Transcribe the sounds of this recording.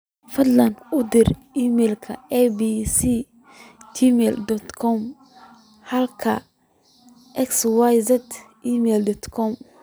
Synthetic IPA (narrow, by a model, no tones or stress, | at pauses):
fɐd̪lɐnʊd̪ɪɾ | imɛlkʰɐ̰ɛbisi | d͡ʒimɛld̪ɔt̪kʰɔm | hɐlkʰɐ | ʔɛkswajzɛt̪ | iːmɛld̪ɔt̪kʰɔm